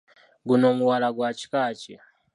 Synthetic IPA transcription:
ɡunomuwalaɡwat͡ʃi̥kaːt͡ʃi

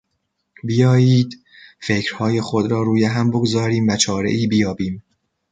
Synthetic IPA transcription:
bijɒːjiːd̪ | fe̞cʰɾ̥hɒːjexod̪ɾɒːɾuːjeɦæmboɡozɒːɾiːmvæt͡ʃʰɒːɾḛʔiːbijɒːbiːm

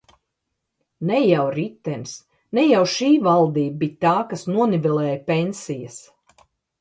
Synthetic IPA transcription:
nɛjawɾit̪ːɛnʲs | nɛjawʃiːvalˠd̪iːbbit̪aːkasnuɔnivɛlˠɛːjpenʲsijɐs

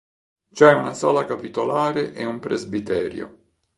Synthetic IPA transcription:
t͡ʃɛunasɔːlakapit̪olaːɾeʔeumpɾezbit̪ɛːɾjo̰

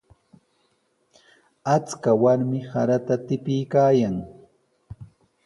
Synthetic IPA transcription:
at͡skawaɾmɪhaɾat̪at̪ɪpɪjkaːjaŋ

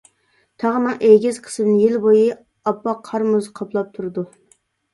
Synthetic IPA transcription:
t̪ʰɑʁnɨŋʔeɡʲɪz̥qʰə̥sɨd̪ɨnjelboji | ɑpːɑqʰɑɾmuzqʰɑpʰlˠɑp̚t̪ʰuɾɨd̪u

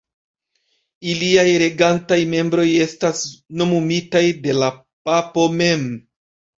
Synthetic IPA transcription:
iliajɾe̞ɡantajme̞mbɾo̞je̞stasno̞mumitajde̞la | papo̞me̞m

